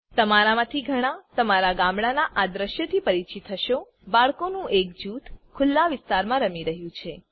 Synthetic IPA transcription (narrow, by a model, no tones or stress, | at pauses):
t̪əmaɾamãt̪ʰiɡʱəɽ̃ãt̪əmaɾaɡãmɽanaʔad̪ɾəʃjət̪ʰipəɾit͡ʃit̪ʰːəʃo | baɭkonũʔek̚d͡ʒut̪ʰkʰʊlːaʋɪst̪aɾmãɾəmiɾəɦjũt͡ʃʰe